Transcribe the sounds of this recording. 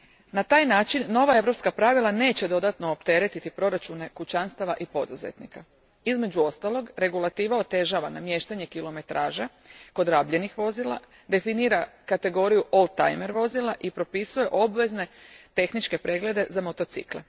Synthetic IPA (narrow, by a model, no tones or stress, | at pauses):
nat̪aːjnaːt͡ʃinːo̞ʋae̞ʋɾo̞pskapɾaʋilˠane̞ːt͡ɕe̞d̪o̞d̪at̪no̞opt̪e̞ɾe̞t̪it̪ipɾo̞ɾat͡ʃune̞kut͡ɕanst̪aʋaʔipo̞d̪uzḛt̪nḭka | izme̞d͡ʑuo̞st̪alo̞ɡɾe̞ɡulˠat̪iːʋao̞t̪e̞ʒaʋanamje̞ʃt̪aɲe̞kilo̞me̞t̪ɾʔaːʒa | ko̞d̪ɾaːbʎe̞nixʋo̞zilˠa̰ | d̪e̞finiːɾakat̪e̞ɡo̞ɾijuʔo̞lˠd̪t̪a̰jme̞ɾʋo̞zilaʔipɾo̞pisuje̞ʔo̞bʋe̞zne̞t̪e̞xnit͡ʃke̞pɾe̞ːɡle̞d̪e̞zamo̞t̪o̞t̪sḭkle̞̰